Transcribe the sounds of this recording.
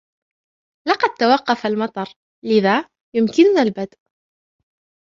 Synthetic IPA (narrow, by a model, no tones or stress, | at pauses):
lɑqɑd̪̚t̪awɑqːɑfalmɑt̪ˤɑɾˤ | lɪðaː | jʊmkɪnʊnalbad̪ʔ